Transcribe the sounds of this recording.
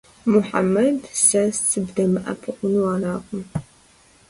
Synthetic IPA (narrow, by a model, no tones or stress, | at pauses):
mʊħa̰mːɐdsɐst͡sɨbdɐmɨʔɐ̰pʰɨqʷʊnuwaːɾaːqʷʊm